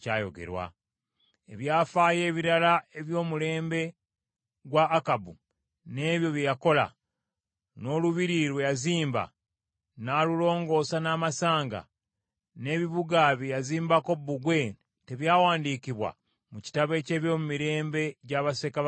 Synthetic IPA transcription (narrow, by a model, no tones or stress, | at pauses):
caːjo̞̰ɡe̞̰ɾwa̰ | e̞̰βjaːfaːje̞ːβiɾalae̞βjo̞ːmule̞ːmbe̞ | ɡwaːkabu | ne̞ːβjo̞βjejako̞la̰ | no̞luβiɾiɾwe̞jaziːmba̰ | naːlulo̞ːŋɡo̞ːsanaːmasaːŋɡa̰ | ne̞βiβuɡaβejaziːmbako̞buɡwe̞ | teβjaːwaːndiciβwa̰ | muci̥taβe̞ːce̞ːβjo̞ːmumiɾe̞ːmbe̞ɟaːβase̞ka